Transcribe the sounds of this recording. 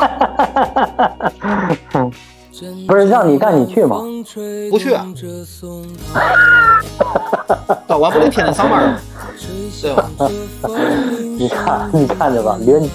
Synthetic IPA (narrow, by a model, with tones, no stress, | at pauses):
pu˧˥ʂ̩˥˧˥ɻɑ˥˩ŋni˨˩ka˥˩nni˨˩t͡ɕʰy˥˩mɐ̰˩pu˧˥t͡ɕʰy˥˩ɐ̰˩ | ɑ˨˩wa˥ppli˥t̪ʰjɛ˨˩ndə˧˩fɑ˥ŋmə˧˥ | t̪we˥˩˨ | ni˨˩kʰa˥˧nni˨˩kʰa˥˩nd͡ʒə˨˩bɐ̰˨l